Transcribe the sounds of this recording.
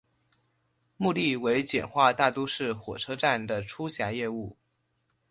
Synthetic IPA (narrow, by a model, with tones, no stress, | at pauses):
mu˥˧li˥˩we˧˥ɪt͡ɕjɛ˨˩nxwa˥˧t̪a˥˩t̪ɔ˥ʂɻ̩˥˩xwɔ̰˨˩ʈ͡ʂʰɤ˥ʈ͡ʂa˥˩nd̪ə˩ʈ͡ʂʰu˥ɕja˧˥jɛ˥˧u˥˩